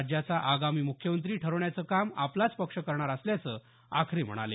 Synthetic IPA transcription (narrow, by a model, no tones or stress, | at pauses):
d͡ʑjat͡saʔaɡamiːmukʰjəmənt̪ɾiːʈʰəɾəʋɳjat͡səːkamaplat͡spəkʂəkəɾɳ̃aɾəsljat͡sə | a̰kʰɾem̤ə̰ɽ̃a̰le